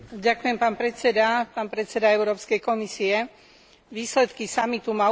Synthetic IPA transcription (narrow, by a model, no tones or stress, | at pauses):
ɟakujɛmpaːnpɾɛt͡sɛd̪apaːnpɾɛt̪t͡sɛd̪aɛʊɾɔːpskɛjkɔmisiɛ | ʋiːslɛt̪kisamit̪uma